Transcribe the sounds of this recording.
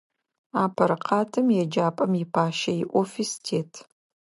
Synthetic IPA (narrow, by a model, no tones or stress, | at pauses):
aːpʰɐɾqʰɑːtʰɨmjɛd͡ʒaːpʼɐmjɪpʰaːʃɐjɪʔʷofistʰeːtʰ